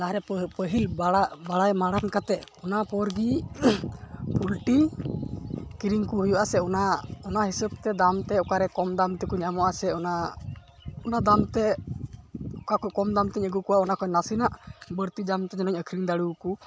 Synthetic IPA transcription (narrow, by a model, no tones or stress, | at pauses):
laɾɛpəɦilbaabaɽajmaɽankat̪ɛɔnapɔɾɡi | pulʈi | kiɾiŋkuɦujuʔasɛɔnaɔnaɦisəb̚t̪ɛd̪amt̪ɛɔkaɾɛkɔmd̪amt̪ɛkuɲamɔʔasɛɔna | ɔnad̪amt̪ɛ | ɔkakɔkɔmd̪amt̪iɲəɡukuwaʔɔnakɔnasinaʔbəɾt̪id̪amt̪ɛd͡ʒɔnɔɲəkʰɾiŋd̪aɽuku